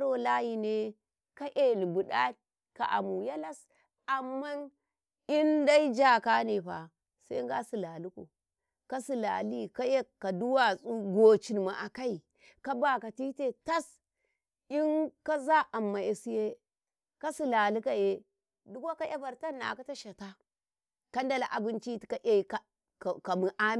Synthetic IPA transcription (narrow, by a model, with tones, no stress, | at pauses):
ɾo˦la˦ji˨ne˦ | ka˦ʔe˦lbu˨ɗa̰˦ | ka̰˨ʔa̰˨mu˨ja˦la˦s | a˨mːa˦n | i˦nda˦i˦d͡ʒa˦ka˦ne˨ɸa̰˨ | sa˦ŋ˦ɡa˦si˨la˨lu˦kṵ˨ | ka˦si˨la̰˨li˦ka˦je˦kːa˨du˦wa˦˨su˦ɡo˨t͡ʃi˨n˨ma˨ʔa˨ka˦i˨ | ka˦ba˨ka˨ti˦te˦ta˦s | i˦nka˦za˦ʔa˨mːa˨je˨si˦je˦ | ka˦si˦la˨li˦ka˨je˦ | du˦ka˦ka˦ja˦ba˨ɾta˦nːa̰˨ka˦ta˦ʃa˨ta˦ | ka˦nda˦la˨ʔa˨bi˦nt͡ʃi˦ti̥˨ka˨˦ʔa˦i˨ka˦ | kka˨mi˨ʔa˦m˦